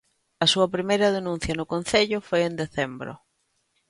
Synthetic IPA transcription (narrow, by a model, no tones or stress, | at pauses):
ɐsuɐpɾimejɾɐðenũn̟θjɐnʊkõn̟θeʎʊfojend̪eθembɾo̰